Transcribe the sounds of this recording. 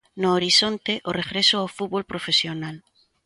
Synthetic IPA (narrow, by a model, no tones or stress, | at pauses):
noːɾisont̪eʔoreɣɾesoawfut̪βolpɾofesjonal